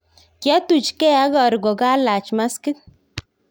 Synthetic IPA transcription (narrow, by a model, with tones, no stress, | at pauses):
kja˦tu˨t͡ʃkɛ˦a˦ɡɔ˨ɾɡo˨ka˦la˨t͡ʃma˦skɪ˦t